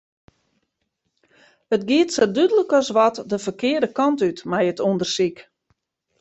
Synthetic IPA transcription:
ətɡiətsədydələkɔsʋɔtdəfərkɪədəkɑntytmɛjətundərsik

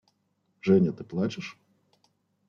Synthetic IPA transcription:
ʐɛnʲɐt̪ɨplˠat͡ʃɪʂ

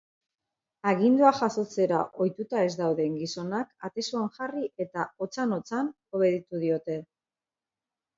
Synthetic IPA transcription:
aɣind̪uaʝaso̞t͡se̞ɾa̰ʔo̞jt̪ut̪ae̞zd̪awðe̞ŋɡiso̞nakat̪e̞suanʝariʔe̞t̪ao̞t͡sano̞t͡san | o̞βe̞ðit̪uð̞io̞t̪e̞

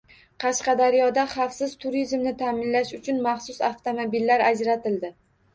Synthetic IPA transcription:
qʰɑʃqɑd̪aɾjɒd̪aχɑfsɪzt̪ʰʊɾizmnɪt̪ʰamɪnlaʃʊt͡ʃʰʊnmɑχsʊsaft̪ʰomobilːaɾad͡ʒɾat̪ʰɪld̪ɪ

